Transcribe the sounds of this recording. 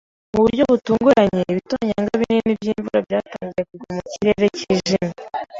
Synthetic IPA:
muβuɾɟo̞βutuːŋɡuɾaɲe̞βitoːɲaŋɡaβininibjiːɱvuɾabɟaːtaːɲɟije̞kuɡumuciɾe̞ɾe̞ciːʒime

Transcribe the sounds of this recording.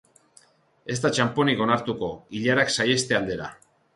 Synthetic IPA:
e̞zt̪at͡ʃampo̞niko̞naɾt̪uko̞iʎaɾaksaje̞st̪e̞ald̪e̞ɾa̰

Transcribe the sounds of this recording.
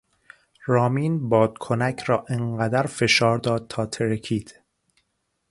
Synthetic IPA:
rɒːmiːnbɒːd̪̥kʰonæcʰrɒːʔeɴɢæd̪æɾfe̞ʃɒːɾd̪ɒːd̪̚t̪ʰɒːt̪ʰeɾecʰiːd̪̥

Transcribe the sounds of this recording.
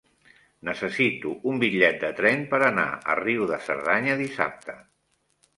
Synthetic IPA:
nəsəsit̪uumbiʎɛt̪̚d̪ət̪ɾɛmpəɾəna̰ə̰riwðəsə̰ɾðaɲəðisa̰p̚t̪ə

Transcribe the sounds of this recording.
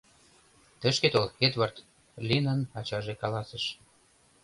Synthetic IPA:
t̪ə̆ʃket̪olxed̪βɑrt̪ | lʲinənɑt͡ɕɑʒekɑlɑsĕʃ

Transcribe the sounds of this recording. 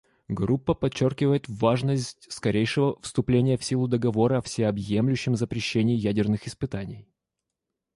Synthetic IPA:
ɡrupːəpɐt͡ɕːorkʲɪvəjɪt̪vaʐnəsʲt̚ʲskɐɾʲʔejʂɨvəfst̪ʊplʲenʲɪjəfsʲilˠʊd̪əɡɐvo̞ɾəɐfsʲɪɐbjemlʲʉɕːɪmzəpɾʲɪɕːenʲɪːjædʲɪrnɨxɪspɨt̪anʲɪj

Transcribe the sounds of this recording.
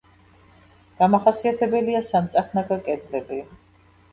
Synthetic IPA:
ɡ̥amaχasiat̪ʰɛbɛliasamt̪sʼakʰnakakʼɛd̪lɛbi

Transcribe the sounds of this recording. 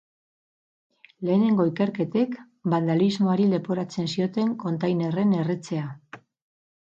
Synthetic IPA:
le̞ːne̞ŋɡo̞ike̞ɾke̞t̪e̞k | band̪alizmo̞aɾile̞poɾat͡se̞nsio̞t̪e̞ŋko̞nt̪ajne̞re̞ne̞ret͡se̞a

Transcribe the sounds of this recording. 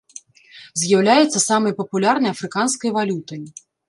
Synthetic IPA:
zʲjawlʲajɛt̪sːɐsamɐjpɐpulʲarnɐjɐfɾɨkanskɐjvalʲut̪ɐj

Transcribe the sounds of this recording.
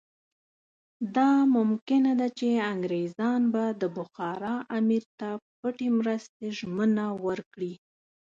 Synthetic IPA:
d̪ɑmʊmkɪnad̪at͡ʃeaŋɡɾezɑnbad̪əbʊxɑɾɑʔamiɾt̪apəʈemɾəst̪eʒmənawəɾkɽi

